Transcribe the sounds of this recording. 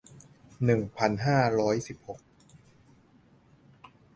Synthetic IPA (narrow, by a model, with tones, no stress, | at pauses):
nɯ˨˩ŋpʰa˧nɦaː˥˩ɾɔː˦˥jsi˨˩p̚ho˨˩k̚